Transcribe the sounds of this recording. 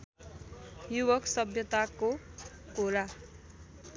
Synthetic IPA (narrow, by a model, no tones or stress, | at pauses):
jubʌksʌbjʌt̪ako | koɾa